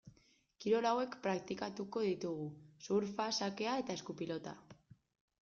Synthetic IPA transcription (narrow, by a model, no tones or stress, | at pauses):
kiɾo̞lawe̞kpɾak̚t̪ikat̪uko̞ðit̪uɣusuɾfasake̞ae̞t̪ae̞skupilo̞t̪a̰